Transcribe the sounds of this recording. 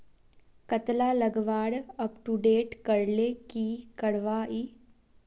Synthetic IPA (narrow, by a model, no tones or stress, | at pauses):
kət̪laːləɡʋaːɽəpʈuɖeːʈkəɾlekiːkəɽʋaːiː